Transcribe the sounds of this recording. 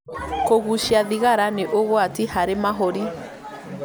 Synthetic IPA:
koɣuʃiaðiɣaɾaneʔoɣwatihaɾemaɦoɾi

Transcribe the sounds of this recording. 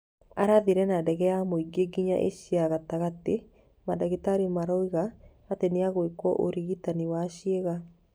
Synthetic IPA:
aɾaðiɾɛnadɛɣɛjamoiɡeɡiɲa̰ʔḛʃiaɣataɣate | madaɣitaɾimaɾɔiɣaː | teneaɣoekwɔ̰ʔoɾiɣitaniwaʃieɣa

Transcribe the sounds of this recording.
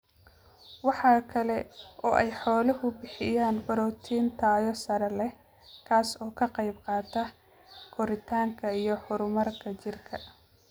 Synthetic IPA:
wɑħɑːkʰɐlɛʔɔːʔɛjħɔːlɐɦʊbɪħɪjaːnbɐɾɔːt̪ʰiːnt̪ʰaːjɔsɐɾɐlɛ | kʰaːsɔːkʰɐqɑjbqɑːt̪ʰɐ | ɡʰɔɾɪt̪ʰaːŋkʰɐijɞħʊɾʊmɐrkʰɐt͡ʃɪrkʰɐ

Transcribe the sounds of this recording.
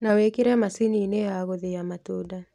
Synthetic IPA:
nawekiɾɛmasiniːnɛaɣoðijamatuda

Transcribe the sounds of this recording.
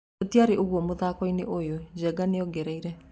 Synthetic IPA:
otiaɾeʔoɣwɔmoðaːkɔineʔojod͡ʑɛɡanejɔɡɛɾɛiɾɛ

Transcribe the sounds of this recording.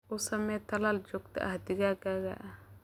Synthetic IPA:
ʊsɐmɛt̪ʰːɐlaːld͡ʒɔɡt̪ʰɐ̰ʔɐ̰hd̪ɪɡaːɡaɣa̰ʔ

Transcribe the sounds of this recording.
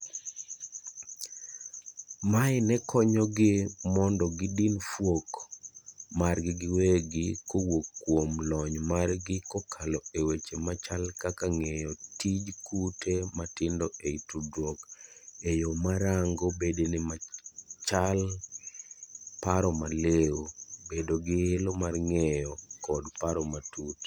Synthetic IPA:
maɪnɛkʰɔɲɔɡɪmɔndɔɡɪdinfwok | marɡɪɡɪweɡɪkowokːwomlɔɲmarɡɪkɔkʰalɔewet͡ʃemat͡ʃalkakaŋejɔtid͡ʒkutʰematɪndɔeitudwokejomaɾaŋɡobedenɪmat͡ʃal | paɾɔmaleobedoɡɪelomarŋɛjɔkɔdpaɾɔmatut

